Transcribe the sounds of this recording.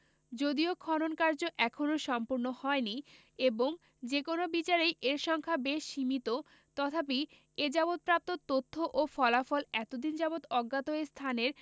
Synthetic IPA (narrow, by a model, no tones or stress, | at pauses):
d͡ʑod̪iokʰɔnonkaɾd͡ʑoʔɛkʰonoʃɔmpuɾnohɔeni | eboŋ | d͡ʑekonobit͡ɕaɾejʔeɾʃɔŋkʰabeʃːimit̪o | t̪ɔt̪ʰapi | ed͡ʑabot̪̚pɾap̚t̪ot̪ot̪ʰːoʔofɔlafɔlɛt̪od̪ind͡ʑabot̪ɔɡːat̪oest̪ʰaneɾ